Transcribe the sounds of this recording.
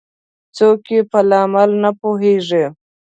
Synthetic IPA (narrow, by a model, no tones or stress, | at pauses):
t͡sokepəlɑmalnapoɦeʐe